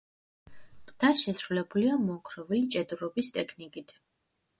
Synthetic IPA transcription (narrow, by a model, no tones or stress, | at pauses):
d̪̥aʃɛsɾulɛbuliamɔŋkʰɾɔvit͡ʃʼɛd̪uɾɔbist̪ʼɛkʰnikʼit̪ʰ